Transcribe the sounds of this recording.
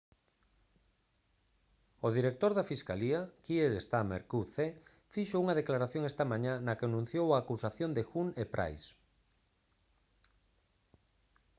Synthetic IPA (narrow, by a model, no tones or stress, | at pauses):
oðiɾek̚t̪oɾðafiskaliakieɾest̪amḛɾkuθe | fiʃouŋɐðeklaɾaθjoŋest̪ɐmãɲãnɐkenũn̟θjowaːkusaθjond̪exunepɾʔa̰js